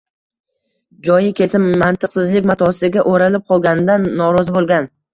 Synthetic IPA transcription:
d͡ʒɒjɪkʲʰesɪmːant̪ʰɨqsɪzlɪkʲmat̪ʰɒsɪɡʲaʔoɾalɪp̚qʰɒlˠɡʲanɪd̪anːɒɾɒzɪbolˠɡʲan

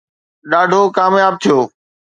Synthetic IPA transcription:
ɗaːɖʱokaːmjaːb̚t̪ʰijoː

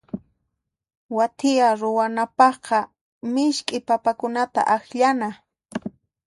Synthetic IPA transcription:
wat̪ʰɪjaɾʊwanapɑχqɑ | mɪʃkʼɪpapakʊnat̪a̰ʔaxʎana

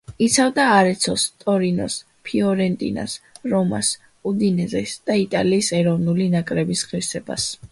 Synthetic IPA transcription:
it̪sʰavd̪aːɾɛt̪sʰɔst̪ʼɔɾinɔ̰s | pʰiɔɾɛnt̪ʼḭna̰sɾɔma̰s | ud̪inɛzɛsd̪̥ait̪ʼaliːsɛɾɔvnulinakʼɾɛbisʁiɾsɛba̰s

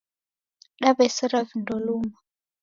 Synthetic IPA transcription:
ɗaɓɛsiɾavindɔluːma

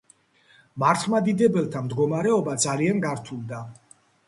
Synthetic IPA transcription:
maɾt̪ʰχmad̪id̪ɛbɛlˠt̪ʰamd̪ɡɔmaɾɛɔbad̪zalianɡaɾt̪ʰulˠd̪a

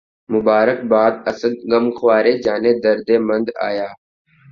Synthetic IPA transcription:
mʊbaːɾək̚baːd̪̚əsəd̪̚ɡəmxwaːɾeːd͡ʒaːnẽːd̪əɾd̪eːmə̃nd̪a̰ːjaː

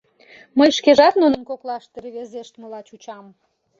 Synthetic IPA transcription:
məjʃkeʒɑt̪nunənkoklɑʃt̪eɾβezeʃt̪məlɑt͡ɕut͡ɕɑm

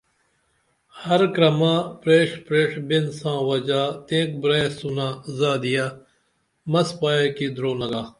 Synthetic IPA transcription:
hɐɾkɾɐmãːpɾeːʂpɾeːʂbɪnsãːʋɐd͡ʒaːt̪ẽːk̚bɾeːsunaːzaːd̪ijaː | mɐspaːjeːkiːd̪ɾoːnɐɡaː

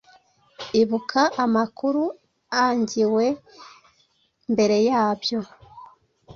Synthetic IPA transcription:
iβukʰaʔamakuɾu | aɲɟiwe̞ | mbe̞ɾe̞jaːbjo̞

